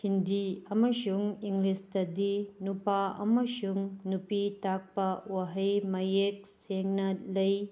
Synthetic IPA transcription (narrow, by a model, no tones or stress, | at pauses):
hindiɐmɐsuŋiŋlistɐdinupaɐ̰mɐsuŋnupitak̚pɐwaɦɐjmɐjek̚seŋnɐlɐj